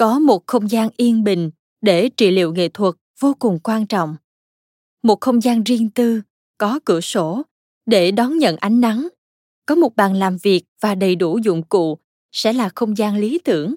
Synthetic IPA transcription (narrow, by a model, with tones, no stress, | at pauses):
kɔ˨˦mo˨˩t̚xə˧wŋ͡mzaː˧nʔi˧ənɓï˨˩ŋ̟ | ɗe˧˩t͡ɕḭ˧˨lḭ˧˨əwŋḛ˧˨t̪ʰwə˨˩t̚v̥o˧kʊ˨˩ŋ͡mkwaː˧nt͡ɕɔ̰˧˨wŋ͡m | mo˨˩t̚xə˧wŋ͡mzaː˧nzi˧əŋt̪ɨ˧ | kɔ˨˦kɨ̰˧˩əso˧˩ | ɗe˧˩ɗɔ˨˦nɲə̰˧˨nʔa˨˦jŋ̟na˨˦ŋ | kɔ˨˦mo˨˩t̚ɓaː˨˩nlaː˨˩mvi˨˩ək̚vaː˨˩ɗə˨˩jɗu˧˩zʊ̰˧˨ŋ͡mkṵ˧˨ | sɛ̰˧˥laː˨˩xə˧wŋ͡mzaː˧nli˨˦t̪ɨ˧˩əŋ